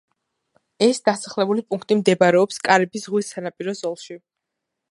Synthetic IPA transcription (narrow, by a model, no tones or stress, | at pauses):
ɛsd̪̥asaχlɛbulipʼuŋk̚ʰt̪ʼimd̪ɛbaɾɛɔpskʼaɾɛbisʁwisanapʼiɾɔzɔlˠʃi